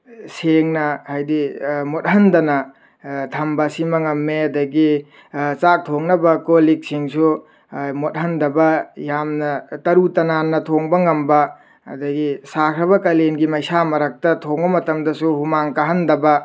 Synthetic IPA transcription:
seŋnɐhajdimot̚ɦɐndɐnɐ | tʰɐmbɐsimɐŋɐmːeɐdɐɡi | t͡ʃak̚tʰoŋnɐbɐkolik̚siŋsu | mot̚hɐndɐbɐjamnɐtɐɾutɐnanːɐtʰoŋbɐŋɐmbɐ̰ː | dɐɡisakʰɾɐβɐkɐlenɡimɐjsamɐɾɐk̚tɐtʰoŋbɐmɐtɐmdɐsuhumaŋkɐɦɐndɐbɐ

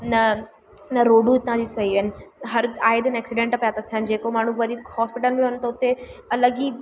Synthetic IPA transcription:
nɐ | nɐɾoːɖũɪt̪ãd͡ʑisɐɦiʋənɪ̆ɦɐɾaːɪd̪ənɛːksɪɖẽɳʈɐpjat̪ɐt̪ʰijənɪ̆d͡ʑeːkomaːɳ̤ũʋɐɾihɔːspɪʈəlmint̪ɐʊt̪eɐləɡiː

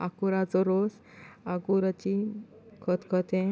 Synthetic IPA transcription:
a̰kuɾad͡zɔɾos | aɡuɾat͡ɕi | kʰɔt̪kʰɔt̪ẽ

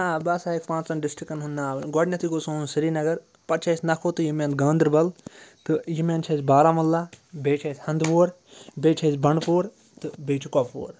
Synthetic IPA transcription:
abɐsaːekpãːt͡ʃsɐnɖɪsʈɾikɐnɦund̪aːɡɔɖnʲɐt̪ikosõːnsiɾiːnɐɡɐɾ | pɐt͡ʃʰeːsnɐkʰoːt̪ɨjimẽːnt̪ɡãːnd̪ɾbɐlt̪ɨjimẽnt͡ʃʰɐsbaːɾaːmɐlːaːbeːt͡ʃʰesʲhɐ̃nd̪boːɾ | beːt͡ʃʰesbɐɳpoːɾ | t̪ɨbeːt͡ʃʰikɔppo̰ːɾ

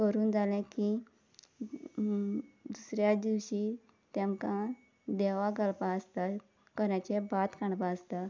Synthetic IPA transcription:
kəɾuːnd͡zʱalɛ̃ki | d̪usɾjad̪iʋɕiː | t̪ɛmkã | d̪ɛʋaɡəlpaəst̪a | kəɾat͡ɕebat̪kãɳpaəst̪a

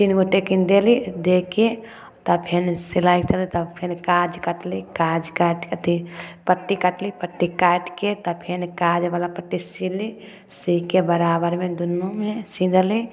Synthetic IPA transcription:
t̪inɡoʈekind̪elid̪eke | t̪ɔpʰɪnsilaːit̪əlit̪əbpʰɪnkaːd͡ʒkəʈlikaːd͡ʒkaʈkət̪ʰipəʈːikəʈlipəʈːikaːʈket̪ɔpʰɪnkad͡ʒʋalapəʈːisili | sikebəɾaːbəɾmẽd̪ʊnːomẽsĩd̪li

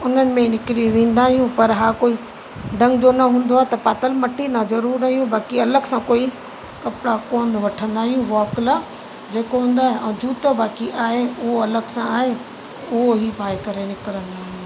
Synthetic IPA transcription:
ʊn̤ənɪ̆mẽnɪkɪɾiʋẽːn̆d̪aːɦijũpɐɾɦaːkoːi | ɖɐ̃ŋɡd͡ʑonɐɦũːn̆d̪oaːet̪ɐpaːt̪əlmɐʈʰinãzɐɾuːɾnaːɦijũbaːkiɐləɡsãkoːi | kɐpɽakoːnd̪ʋɐʈʰə̃nd̪aːɦijũʋɔːkla | d͡ʑeːkoɦũːn̆d̪aːɦeɛ̃ːd͡ʑuːt̪obaːkiʔaːɦeʊɦoɐləɡsãaːɦe | ʊɦoɦibʱaːɪkɐɾenɪkəɾə̃nd̪aːɦijũ

